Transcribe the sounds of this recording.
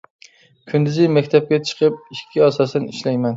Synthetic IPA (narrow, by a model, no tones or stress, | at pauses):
kʲʰʊnd̪ɪzɪjmakʲt̪ʰap̚kʲat͡ʃʰɨ̥qʰɨp̚iʃkʲʰːiɒsɒsɪnɪʃlajman